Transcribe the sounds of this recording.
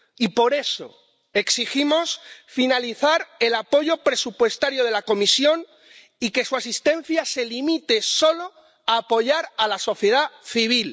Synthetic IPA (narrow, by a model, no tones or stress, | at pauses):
ipo̞ɾe̞so̞̰ | e̞ksiximo̞sfinaliθaɾe̞lapo̞ʝo̞pɾe̞supwe̞st̪aɾjo̞ð̞e̞lako̞misjo̞n | ike̞suasist̪ẽ̞n̟θjaselimit̪e̞so̞lo̞ | aːpo̞ʝaɾalaso̞θje̞ð̞aθiβ̞il